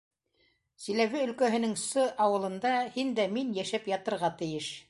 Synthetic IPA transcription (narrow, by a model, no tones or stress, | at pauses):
sĭlæβɘɵ̆lkæɦɘ̆nɘŋsɤʔɑwɤ̆lˠɤ̆nd̪ɑhind̪æminjæʃæpjɑt̪ɤ̆ɾʁɑt̪ɘ̆jɘʃ